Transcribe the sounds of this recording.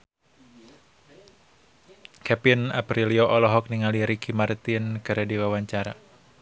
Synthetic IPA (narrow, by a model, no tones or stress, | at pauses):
kʰɛpɪnapɾiliɔʔɔlɔɦɔk̚niŋaliɾikimart̪inɡaɾediwawaɲt͡ʃaɾa